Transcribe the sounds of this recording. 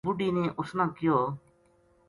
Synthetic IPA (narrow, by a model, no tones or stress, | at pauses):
bʊɖiːnẽːʔʊsnãːkɪjoː